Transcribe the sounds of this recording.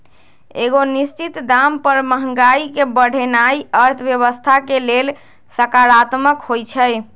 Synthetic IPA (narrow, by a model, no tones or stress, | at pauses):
ḛɡonist͡ʃit̪d̪ampəɾməɦəŋɡaikebəɽ̤ʱenaiəɾt̪ʰəbjəβəst̪ʰakelel | səkaɾat̪məkɦojt͡ʃʰəj